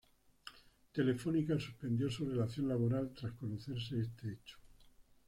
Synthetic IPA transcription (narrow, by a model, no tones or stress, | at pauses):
t̪e̞le̞fo̞nikasuspe̞nd̪jo̞sure̞laθjo̞nlaβ̞o̞ɾalt̪ɾasko̞noθe̞ɾs̬e̞est̪eet͡ʃo̥